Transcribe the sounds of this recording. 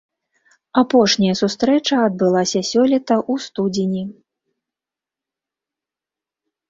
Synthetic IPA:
apɔʂnʲɐjɐsust̪ɾɛt͡ʂɐːd̪̚bɨlˠasʲɐsʲɔlʲit̪ɐʔust̪ud͡zʲinʲi

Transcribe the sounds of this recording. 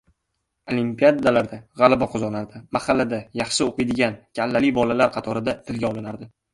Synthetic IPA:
olimpijad̪alaɾd̪aʁɑlˠabaqʰʊzɒnaɾd̪ɪmahalːad̪ajɑχʃɪoqɨjd̪ɪɡʲankʲʰalːalijbɒlalaɾqʰɑt̪ʰɒɾɪd̪at̪ʰɪlɡʲaɒlˠɪnaɾd̪ɪ

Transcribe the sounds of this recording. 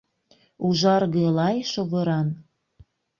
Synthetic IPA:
uʒɑrɣelɑjʃoβɤɾɑn

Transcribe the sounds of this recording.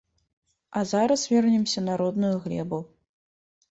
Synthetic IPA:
ɐzaɾɐsvʲɛrnʲɛmsʲɐnaɾɔd̪nujuɣlʲɛ̰bu

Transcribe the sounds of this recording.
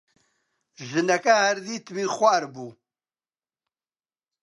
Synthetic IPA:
ʒɨnɐkʼɐhæɾd̪it̪ʰmiχʷaːɾbu

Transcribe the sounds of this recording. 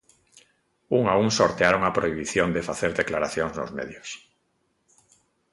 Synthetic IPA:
uŋauŋsoɾt̪eaɾoŋapɾoiβiθjond̪efaθeɾðeklaɾaθjoŋzno̰zmḛðjos

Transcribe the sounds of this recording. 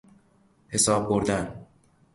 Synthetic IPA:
he̞sɒːb̚boɾd̪æn

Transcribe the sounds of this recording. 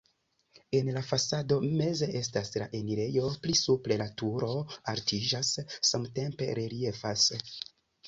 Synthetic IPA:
e̞nlafasado̞me̞ze̞ʔe̞staslaʔe̞niɾe̞jo̞plisupɾe̞latuɾo̞aɾtid͡ʒasːamte̞mpe̞̰ɾe̞ɾie̞fas

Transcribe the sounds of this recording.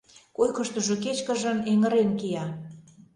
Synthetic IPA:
kojkə̆ʃt̪uʒok̬et͡ɕkə̆ʒə̆neŋə̆ɾenkijɑ

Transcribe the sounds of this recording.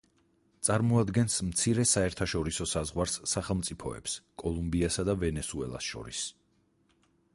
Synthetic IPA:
t̪sʼaɾmɔad̪ɡɛnsmt̪sʰiɾɛsaɛɾt̪ʰaʃɔɾisɔsazʁwaɾsːaχɛlˠmt̪sʼipʰɔɛ̰pskʼɔlˠumbiasad̪avɛnɛsuɛ̰lˠa̰sʃɔ̰ɾis

